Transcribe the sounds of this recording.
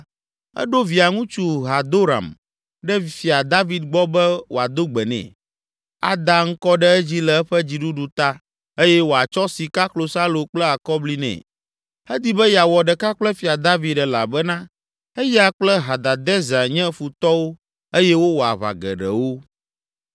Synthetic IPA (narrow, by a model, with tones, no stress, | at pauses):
ɛ̰˦ɖo˦vi˨a˨ŋũ˦t͡ʃu˦ɦa˨d̪o˦ɾa̰˨m | ɖɛ˦˨fi˨a˨d̪a˦vi˨d̪̚ɡ͡bɔ˦bɛ˦wo˨a˨d̪o˦ɡ͡bɛ˨nɛ̰̃˨ | a̰˦d̪a˦ŋ̩˦kɔ˦ɖɛ˦ɛ˦d͡ʑi˦lɛ˨ɛ˦ɸɛ˦d͡ʑi˨ɖu˦ɖu˨t̪a˦ | e˦jɛ˦wo˨˦a˨t͡ʃɔ˦si˨ka˦klo˨sa˦lo˨k͡plɛ˦a˨kɔ˦bli˦nɛ̰̃˨ | ɛ˦d̪i˦bɛ˦ja˨wɔ˨ɖɛ˨ka˦k͡plɛ˦fi˨a˨d̪a˦vi˨d̪ɖɛ˨la̰˨bɛ˦nã˦ | ɛ˦ja˨k͡plɛ˦ɦa˨d̪a˨d̪ɛ˦za˨ɲɛ̃˦fu˨t̪ɔ˦wo˦ | e˦jɛ˦wo˦wo˨a̰˨βa̰˨ɡɛ̰˨ɖɛ̰˨wo˦